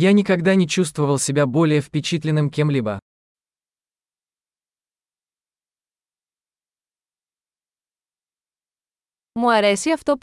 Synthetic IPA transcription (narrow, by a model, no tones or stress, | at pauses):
janʲɪkɐɡd̪anʲɪt͡ɕust̪vəvəlˠsʲɪbʲabo̞lʲɪjəfpʲɪt͡ɕit̪lʲɪnːɨmkʲemlʲibə | muɐɾesiɐft̪o̞p